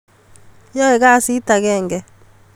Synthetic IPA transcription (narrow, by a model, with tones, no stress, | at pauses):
jɔ˦ɛ˨ɣa˦˨si˦ta˨ɣɛː˦˨ŋɡɛ˨